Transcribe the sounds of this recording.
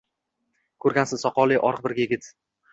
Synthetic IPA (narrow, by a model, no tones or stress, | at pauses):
kʰɵɾɡʲansɪzsɒqɒlˠiʔɒɾq̚bɪɾɡʲajeɡʲɪt̪